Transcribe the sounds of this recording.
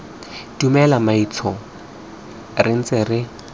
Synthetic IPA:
dumɛlamait͡sʰɔ | rɪn̩t͡sʼɪrɪ

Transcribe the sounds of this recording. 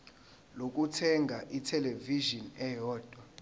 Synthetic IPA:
lok̬ʼutʰɛŋɡʱaʔitʰɛleviʒɔnɛjɔːd̥ʱwa

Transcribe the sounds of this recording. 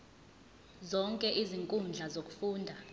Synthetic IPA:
zɔŋkʼɛʔiziŋkʼund͡ɮʱazok̬ʼu̥fuːndʱa

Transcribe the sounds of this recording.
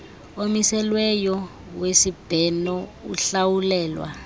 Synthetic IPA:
omisɛlwɛjɔ | wesib̥ʱɛnɔuɬawulɛːlwa̰

